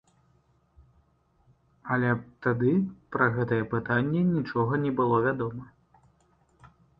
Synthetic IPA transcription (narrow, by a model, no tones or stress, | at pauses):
ɐlʲɛt̪ad̪ɨpɾɐɣɛt̪ɐjɛpɨt̪anʲːɛnʲit͡ʂɔɣɐnʲɛbɨlˠɔvʲad̪ɔmɐ